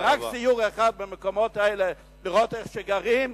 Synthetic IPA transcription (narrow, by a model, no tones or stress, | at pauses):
ʁaksijuʁaχad̚bɪmɪkomɔtaɛːle | lɪʁotɛχʃɛɡaʁim